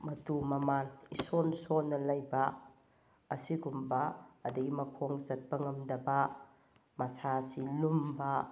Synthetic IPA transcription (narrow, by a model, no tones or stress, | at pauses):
mɐtumɐmanisonsonːɐlɐjbɐː | siɡumbɐːdɐɡimɐkʰoŋzɐt̚bɐŋɐmdɐbɐ | mɐsasilumbɐ